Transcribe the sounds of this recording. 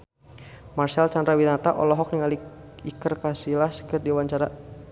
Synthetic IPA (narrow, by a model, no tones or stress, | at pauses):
marsalt͡ʃandɾawinat̪aʔɔ̰lɔɦɔk̚niŋaliikərkasilaskərdiwaɲt͡ʃaɾa